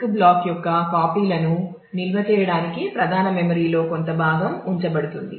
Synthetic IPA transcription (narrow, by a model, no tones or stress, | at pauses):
kblaːkjɔkːɐkaːpiːlɐnu | nilʋɐt͡ʃɛːjɐɽaːnikipɾɐd̪ʱaːnɐmemɐɾiːlo̞ːkont̪ɐbʱaːɡɐmuɲt͡ʃɐbɐɽut̪und̪ḭ